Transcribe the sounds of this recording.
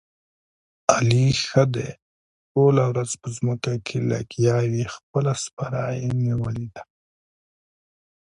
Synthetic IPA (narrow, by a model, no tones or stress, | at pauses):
alixəd̪e | ʈolawɾazpəzməkakʰela̰kjɑwixpəlaspaɾɑjeniwəlid̪a